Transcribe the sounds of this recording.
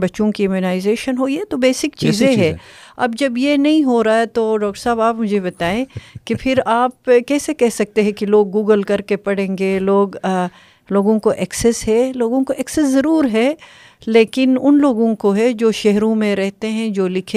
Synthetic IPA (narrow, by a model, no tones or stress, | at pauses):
bɐːʃõkiɪmjonaːɪzeːʃənɦoːiɛt̪obeːsɪkt͡ʃiːzẽɦɛ̃ːɐ̰bd͡ʒɐbjenɐɦĩɦoɾaaːet̪oɖɔːk̚ʈəɾsaːbaːpmʊd͡ʒʱebɐt̪aːẽkipʰɪɾaːpkɛːsekɛɦsɐk̚t̪eɦɛ̃kiloːɡːuːɡəlkɐɾkepɐɽẽːŋɡeloːɡ | loːɡõkoʔɛksɛsɦɛloːɡõkoʔɛksɛszɐɾuːɾɦɛ | leːkɪnʊnloːɡõkoɦɛd͡ʒoːʃɛɦɾõmẽɾɛɦt̪eɦɛ̃d͡ʒoːlɪkʰẽ